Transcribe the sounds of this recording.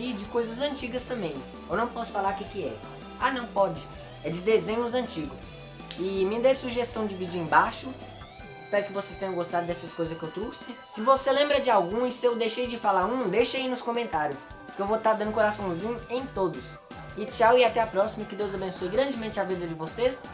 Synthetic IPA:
id͡ʒɪkojzɐzɐ̃nt͡ʃiɡɐst̪ɐ̃mbẽj̃ | ewnɐ̃w̃pɔsʊ̥falaɾkɪkɪɛ̰ | anɐ̃w̃pɔd͡ʒɪ | ɛd͡ʒɪd̪ezẽɲʊzɐ̃nt͡ʃiɡʊ | ɪmɪd̪esuʒest̪ɐ̃w̃d͡ʒɪvid͡ʒɐẽj̃baʃʊ | ɪspɛɾʊkɪvosejst̪ẽɲɐ̃ɡost̪ad̪ʊd̪ɛsɐskojzɐskɪewt̪ɾosɪsɪvoselẽmbɾɐd͡ʒɪawɡũɪsɪewd̪ejʃejd͡ʒɪfalaɾũd̪ejʃeinʊskõmẽnt̪aɾjʊ | kɪewvot̪aɾd̪ɐ̃nd̪ʊkoɾasɐ̃w̃zĩɲʊẽj̃t̪od̪ʊs | ɪt͡ʃawɪat̪ɛapɾɔsimɐkɪd̪ewzabẽsojɡɾɐ̃nd͡ʒɪmẽnt͡ʃɪavid̪ɐd͡ʒɪvoses

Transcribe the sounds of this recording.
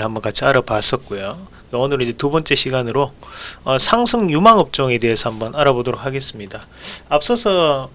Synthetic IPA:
ɭɦambʌnkat͡ɕʰiaɾʌpas͈ʌt̚k͈ojo | aʌnɯɾid͡ʑe̞tubʌnt͡ɕ͈e̞ɕʰiɡanɯɾoʌsʰaŋsʰɯŋjumaŋʌp̚t͡ɕ͈ʌŋe̞de̞esʰʌhambʌnaɾabodoɾok̚haɡe̞s͈ɯmɲida | ap̚s͈ʌsʰʌ

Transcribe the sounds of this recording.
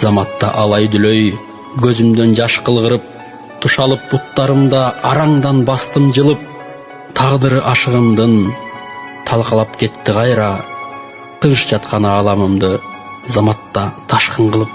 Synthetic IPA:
zɑmɑt̪ːɑ̰ʔɑlˠɑjd̪ʏløj | ɡʰɵzymd̪e̞nd͡ʒɑʃqəlˠʁəɾɯp̚ | t̪ʰuʃɑlˠɯp̚but̪ːɑɾɯmd̪ɑːɾɑŋd̪ɑnbɑst̪ɯmd͡ʒɯlˠɯp̚ | t̪ʰɑʁd̪ɨɾʔɑʃəʁəmd̪ɯn | t̪ʰɑlˠqɑlˠɑpkʰe̞t̪ːɪqʰɑjɾɑ | t̪ʰɯnʃd͡ʒɑt̪̚qɑnɑːlˠɑmɯmd̪ɯ | zɑmɑt̪ːɑt̪ʰɑʃqəɴʁəlˠəp̚

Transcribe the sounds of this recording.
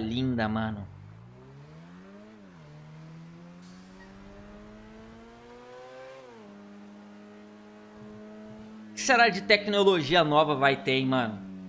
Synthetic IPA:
lĩnd̪ɐmɐ̃nʊ | kɪ̥seɾad͡ʒɪt̪ɛknoloʒiɐnɔvɐvajt̪ẽj̃mɐ̃nʊ

